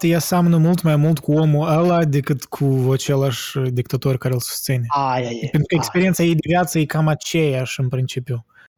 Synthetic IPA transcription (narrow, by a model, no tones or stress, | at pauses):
t̪jasamnəmult̪majmult̪kʰuo̞muəlad̪e̞kɨt̪kʰuat͡ʃelaʃd̪ik̚t̪at̪o̞rʲkaɾelˠsu̥st̪sinʲeajapent̪ɾukəekspeɾient̪sajejd̪evʲjat̪səjekamat͡ʃejaʃɨnpɾint͡ʃipju